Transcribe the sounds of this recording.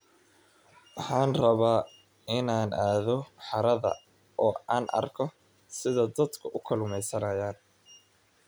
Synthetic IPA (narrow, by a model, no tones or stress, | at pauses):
wɑħɑːnrɐβaː | ɪnaːnʔaːðɔħɑɾɐðɐ̰ | ʔɔːaːnʔɐ̰rkʰɔ | sɪðɐd̪ɐd̪kʰʊʔʊkʰɐlʊmɛjsɐnɐjaːn